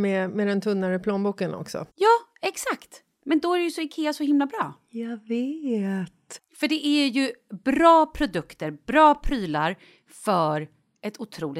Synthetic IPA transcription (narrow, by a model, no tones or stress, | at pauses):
mɛmɛd̪ɛnt̪ʰɵnːaɾəpʰloːnbuːkənɔ̰ksɔ̰jɑːɛksakt̪ | mɛnd̪ɔæɾɛjɵsɔɪkʰeːasɔhɪmlabɾɑ̰ː | jɑveːt̪fœɖɛʔæɾjɵbɾɑːpʰɾʊd̪ɵkt̪əɾbɾɑːpʰɾyːlaɾ | fœɾ | ʔɛt̪ʰʊt̪ʰɾuːlɪ